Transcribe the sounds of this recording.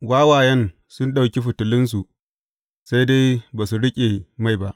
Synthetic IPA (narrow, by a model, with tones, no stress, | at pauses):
waː˦waː˨jɛ˦n | sʊ˦nɗa˨wkʲi˦ɸʊ˨tʊ˨lɪ˦ns̬u˨ʔ | sa˦jde˦jbaː˨su˨ɽɪ˦kʲʼe˨ma˦˨jba˦ʔ